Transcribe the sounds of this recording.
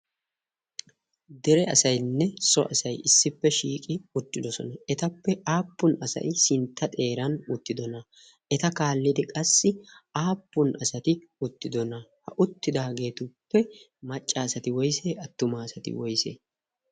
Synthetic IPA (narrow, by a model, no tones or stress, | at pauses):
d̪ɛɾɛɐ̰sɐjnːɛsɔ̰ʔɐsɐjɪsːɪpːɛʃiːkʼɪʊt̪ːɪd̪ɔsɔ̰nɐɛt̪ɐpːɛʔaːpːʊnɐsɐ̰jsɪnt̪ːɐt̪ʼe̞ːɾɐnʊt̪ːɪd̪ɔnɐ | ɛt̪ɐkaːlːɪd̪ɪkʼɐsːɪaːpːʊnʔɐsɐt̪ɪ | ʊt̪ːɪd̪ɔnɐhɐʔʊt̪ːɪd̪aːɡe̞ːt̪ʊpːɛ | mɐt͡ʃʼːaːsɐt̪ɪwɔjseːɐt̪ːʊmaːsɐt̪ɪ̰wɔjsḛː